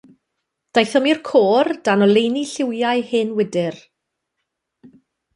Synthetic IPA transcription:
d̥ajθɔmirkʰoːrd̥anɔlˠejniɬɪwjajhɨnwɪdɪr

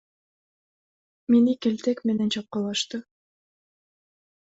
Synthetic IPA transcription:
minɘkɘ̆lt̪ækmɘ̆nænt͡ɕɑp̚qɑlˠɑʃt̪ɤ

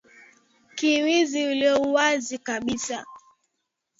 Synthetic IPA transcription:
kiwiziuliɔuwazikaɓisa

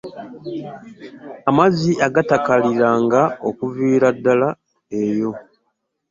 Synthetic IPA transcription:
amaziʔaɡatakaliɾaːŋɡaokuviːɾadːala | e̞jo̞

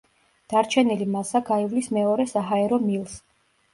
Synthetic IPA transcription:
d̪̥aɾt͡ʃʰɛnilimasaɡaivlismɛɔɾɛsaɦaɛɾɔmilˠs

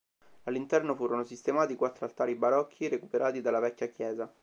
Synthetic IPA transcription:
alːint̪ɛrnofuːɾonosist̪emaːt̪ikwat̪ːɾoalt̪aːɾibaɾɔkʰːiɾekupeɾʔaːt̪id̪alːavɛkʲːakjɛːza

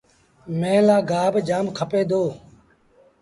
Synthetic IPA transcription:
mẽːlaːɡaːbd͡ʒaːmkʰəpeːd̪oː

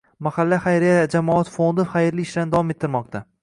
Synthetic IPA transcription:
mahalːaχajɾɪjad͡ʒamɒat̪fond̪ɪχajɪɾliɪʃlaɾnɪd̪avwɒme̞t̪ʰːɪɾmɒq̚t̪ʰa

